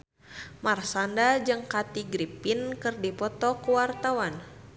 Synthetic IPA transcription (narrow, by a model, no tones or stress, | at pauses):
marsandad͡ʒɨŋkat̪iɡɾipinkɨrdipɔt̪ɔkuwart̪awan